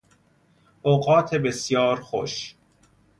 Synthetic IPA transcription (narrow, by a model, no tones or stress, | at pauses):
oɣɒːt̪ʰe̞be̞sjɒːɾxo̰ʃ